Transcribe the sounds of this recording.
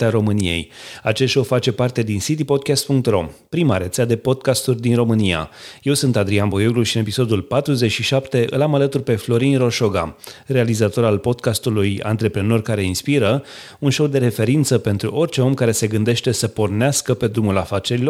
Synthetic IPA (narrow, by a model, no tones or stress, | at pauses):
t̪aɾo̞mɨnije̞̰jat͡ʃeʃo̞wfat͡ʃe̞part̪e̞d̪insit̪̬ipo̞d̪̚kʲast̪̚puŋk̚t̪ro̞̰mpɾimaɾe̞t̪sead̪e̞po̞d̪̚kast̪urʲd̪inɾo̞mɨnia̰je̞wsunt̪ad̪ɾianbo̞joɡluʃiɨne̞pisod̪ulpat̪ɾuze̞t͡ʃʃiʃapt̪e̞ʔɨ̰lamalət̪urʲpe̞flo̞ɾinro̞ʃo̞ɡa̰re̞alizat̪o̞ɾalpo̞d̪kast̪uluja̰nt̪ɾe̞pɾeno̞rkaɾe̞inspiɾə | unʃo̞wd̪e̞ɾe̞fe̞ɾint̪səpe̞nt̪ɾuʔo̞rʲt͡ʃe̞o̞mkaɾe̞se̞ɡɨnd̪e̞ʃt̪e̞səpo̞rneaskəpe̞d̪ɾumulafat͡ʃe̞ɾilo̞